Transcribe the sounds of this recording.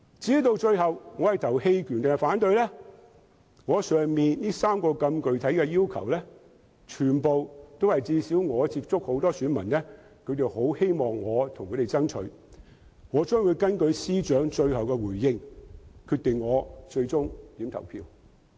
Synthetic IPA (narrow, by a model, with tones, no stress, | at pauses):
t͡siː˨˥t̪o˧wt͡ʃɵ˧ɥhɐ˨wŋɔː˨˧hɐ˨jt̪ʰɐ˨˩whe˧jkʰyː˨˩nt̪e˨faː˨˥nt̪ɵ˧ɥlɛː˥ | ŋɔː˨˧sœː˨ŋmiː˨nliː˥saː˥mkɔː˧kɐ˧mkɵ˨ɥt̪ʰɐ˨˥jkɛː˧jiː˥wkʰɐ̰˨˩wlɛː˥ | t͡ʃʰyː˨˩npo˨wt̪o˥whɐ˨jt͡siː˧siː˨˥wŋɔː˨˧t͡siː˧p̚t͡sʊ˥k̚ho˨˥wt̪ɔː˥syː˨˥nmɐ˨˩nlɛː˥ | kʰɵ˧ɥt̪e˨who˨˥whe˥jmɔː˨ŋːɔː˨˧t̪ʰʊ˨˩ŋkʰɵ˨˧˥ɾe˨jt͡sɐ˥ŋt͡ʃʰɵ̰˨˧˥ɥ | ŋɔː˨˧t͡ʃœː˥ŋwuː˨˧jkɐ˥nkɵ˨˧ɥsiː˥t͡ʃœː˨˥ŋt͡ʃɵ˧ɥhɐ˨wkɛ˧wuː˨˩jːɪ˧ŋkʰyː˧t̚t̪ɪ˨ŋːɔː˨˧t͡ʃɵ˧ɥt͡sʊ˥ŋt̪iː˨˧˥mt̪ʰɐ̰˨˩wpʰḭː˧w